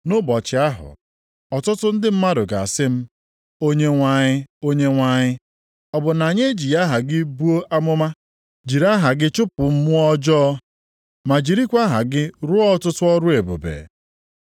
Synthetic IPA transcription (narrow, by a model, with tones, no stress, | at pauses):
nʊ˦bɔ˨t͡ʃɪ˨a˦ɦʊ̰˨ | ɔ˨tʊ˦tʊ˦n̩˦dɪ˦m̩˦ma˦dʊ˨ɡa̰˨a̰˨sɪ˦m̩˦ | o˦ɲe˦ŋʷa˦ɲɪ˦o˦ɲe˦ŋʷa˦ɲɪ˦ | ɔ˨bʊ˨na˨ɲe˦d͡ʒi˨ja˦ɦa˨ɡɪ˦bu˦o˦ʔa˦mʊ˦ma˦ | d͡ʒi˨ɾa˦ɦa˨ɡɪ˦t͡ʃʊ˦pʊ˨m̩˦mʊ˦ɔ˦d͡ʒɔ˦ | ma˨d͡ʒi˨ɾi˦kʷa˦ɦa˨ɡɪ˦ɾʊ˦ɔ˦tʊ˦tʊ˦ɔ˦ɾʊ˦e˨bo̰˨bḛ˨